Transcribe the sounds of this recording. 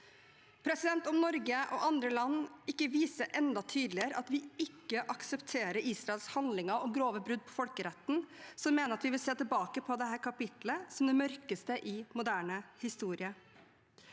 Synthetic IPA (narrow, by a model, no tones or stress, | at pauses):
pʰɾɛsɪd̪ɛnt̪ɔmnɔɾɡəʔɔ̰ʔɑnd̪ɾəlɑnːɪkːəʋiːsəʔɛnd̪ɑt̪ʰyːd̪lɪəɾʔɑt̪ʋɪɪkːəʔɑksəpt̪ʰeːɾəɾiːsɾɑɛlshɑnd̪lɪŋəɔɡɾoːʋəbɾʉd̪ːpʰɔfɔlkəɾɛt̪ːn̩sɔmːeːnəɾɑt̪ʋɪʋɪlseːt̪ɪlbɑːkəpʰɔd̪ɛɦæːɾkʰɑpɪt̪ləsɔmd̪ɛmœɾkəst̪əʔɪmʊd̪æːɳəhɪst̪uːɾɪə